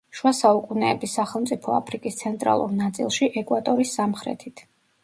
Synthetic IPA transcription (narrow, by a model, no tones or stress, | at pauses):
ʃwasaukʼunɛːbisːaχɛlˠmt̪sʼipʰɔa̰pʰɾikʼist̪sʰɛnt̪ʼɾa̰lˠṵɾnat̪sʼḭlˠʃiʔɛkʼwat̪ʼɔɾisːamχɾɛ̰t̪ʰit̪ʰ